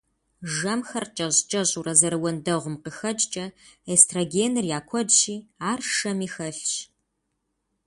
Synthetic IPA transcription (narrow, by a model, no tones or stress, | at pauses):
ʒɐmxɐrt͡ʃʼɐʑt͡ʃʼɐʑʼurɐzɐɾɨwɔndɐʁʷʊmqəxɐd͡ʒʼt͡ʃʼɐestʰroɡeːnɨrjaːkʷʰɔdɕiːaːrʃɐmiːxɐɬɕ